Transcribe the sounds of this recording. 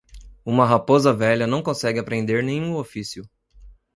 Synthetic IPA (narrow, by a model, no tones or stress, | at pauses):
ũmɐɦapozɐvɛʎɐnɐ̃w̃kõsɛɡɪapɾẽnd̪eɾnẽj̃ũofisjʊ